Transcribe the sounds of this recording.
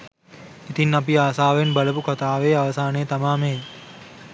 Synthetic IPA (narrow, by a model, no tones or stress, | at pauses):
it̪inːɐpiaːsaːʋenbɐləpukɐt̪aːʋeːaʋɐsaːnejt̪amaːmeː